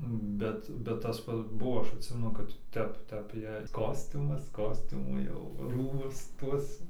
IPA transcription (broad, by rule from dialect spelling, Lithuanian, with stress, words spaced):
ˈbʲɛt bʲɛt tɐs ˈpɐts ˈbuɔ ˈɐʃ ɐtʲˈsʲɪmʲɛnʊ kɐt ˈtʲɛp ˈtʲɛp jɛɪ ˈkoːsʲtʲʊmɐs ˈkoːsʲtʲʊmuː ˈjɛʊ ˈruːbʊs ˈtuɔs